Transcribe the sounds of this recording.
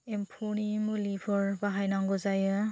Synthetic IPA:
empʰɔnimɯlibʰɔɾbaɦajnaŋɡɔzajɯ

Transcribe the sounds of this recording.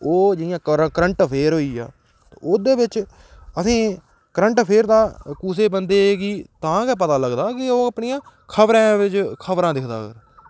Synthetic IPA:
oːd͡ʒɪɪjãːkɾkəɾəɳʈpʰeːɾɦoːiːa̰ː | t̪ːoːd̪eːbɪt͡ʃ | əsĩː | kəɾəɳʈpʰeːɾd̪aːkuːseːbənd̪eːɡiːt̪ãːkɛːpət̪aːləɡd̪aːkɪoːapɳiːãː | kʰəbɾãːʋɪt͡ʃkʰəbɾãːd̪ɪkʰd̪a̰ːɡə̰ɾ

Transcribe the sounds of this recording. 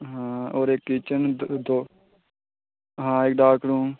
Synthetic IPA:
ɦãːoːɾekːiːt͡ʃənd̪oː | ɦãːɪk̚ɖaːkɾũː

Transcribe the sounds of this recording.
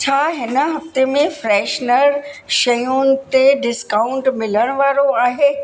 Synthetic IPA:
t͡ɕʰaːɦɪnə̆ɦɐft̪emẽfɾɛːʃnəɾʃɐjũnɪ̆t̪eɖɪskaːʊ̃ɳʈmɪləɽ̃ʊʋaːɾoaːɦeː

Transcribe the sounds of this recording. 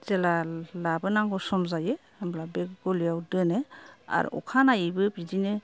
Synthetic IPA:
z̥ɛlalabɯnaŋɡɔsɔmzaje | amblabeɡɔlijawdɯnea̰ɾṵɔ̰kʰanajibɯbizine

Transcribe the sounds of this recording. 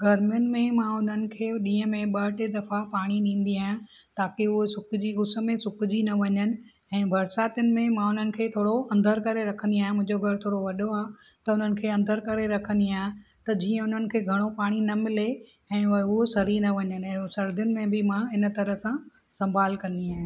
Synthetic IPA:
ɡɐɾmɪjʊnɪ̆mẽmãʊn̤ənɪ̆kʰeːɗĩːɦə̃mẽɓɐɦʈed̪ɐfapaːɽ̃inĩːn̆d̪iaːɦjã | t̪aːkeʊɦesʊkd͡ʑiʊsə̆mẽsʊkd͡ʑinɐʋɐɲənɪ̆ | ɛ̃ːbʱɐɾsaːt̪ʊnɪ̆mẽmãʊn̤ənɪ̆kʰeːt̪ʰoːɽoɐ̃nd̪əɾkɐɾeɾɐkʰə̃nd̪iaːɦjʊ̃mʊ̃ɦɪ̃ɲd͡ʑoɡʱɐɾt̪ʰoːɽoʋɐɗoãː | t̪ɐʊn̤ənɪ̆kʰeːɐ̃nd̪əɾkɐɾeɾɐkʰə̃nd̪iaːɦɪ̃ | t̪ɐd͡ʑĩːə̃ʊn̤ənɪ̆kʰeːɡʱɐɽ̃opaːɽ̃inɐmɪle | ɛ̃ːʊɦosɐɾinɐʋɐɲənɪ̆ɛ̃ːsɐɾd̪ʱjʊnɪ̆mẽbʱɪmãɪnt̪ɐɾəɦsã | sɐ̃mbʱaːlkɐ̃nd̪iaːɦɪj̃

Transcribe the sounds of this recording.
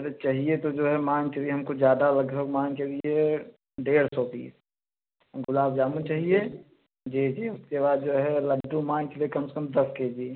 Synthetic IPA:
ɐɾet͡ʃaɦiet̪od͡ʒoːɦɛmãːŋkelieɦɐmkod͡ʒjaːd̪alɐɡbʱəɡmãːŋkelie | ɖeːɽsɔːpḭːs | ɡʊlaːbd͡ʒaːmut͡ʃaːɦie | d͡ʒiːd͡ʒiːʊskebaːd̪̚d͡ʒoːɦɛləɖːũmãːŋkeliekɐmse̥kɐmd̪ɐsked͡ʒie

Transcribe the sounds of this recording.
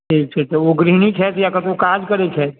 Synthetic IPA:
ʈʰiːk̚t͡ʃʰet̪oʋoɡɾiːnit͡ʃʰɛːt̪jakət̪okaːd͡ʒkəɾet͡ʃʰɛːt̪

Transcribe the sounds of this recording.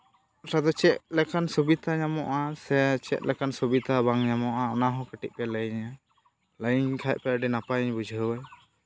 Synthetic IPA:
tad̪ɔt͡ʃɛt̪̚lɛkansubit̪aɲamɔʔasɛt͡ʃɛ̰t̪̚lɛkansɔbit̪abaŋɲamɔʔaɔnaɦɔ̃kəʈiʔ̪̚pɛləjɲa | ləjɲkʰaj̚pɛɖɛnapajɲbud͡ʒʱəwaj

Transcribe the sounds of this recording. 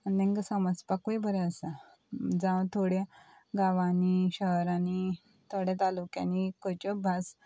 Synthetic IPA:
anẽŋkəsəmət͡spakuibʱəɾeəsa | d͡zãʋt̪ʰoɽe | ɡaʋaniɕəɦɾani | t̪ʰoɽet̪alukjã̰nikojt͡ɕɔbʱas

